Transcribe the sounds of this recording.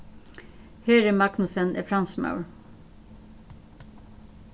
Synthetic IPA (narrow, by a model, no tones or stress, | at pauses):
heːɾeːmɑɡnʊsənʔḛfɾɑnsmɑ̰ʉɹ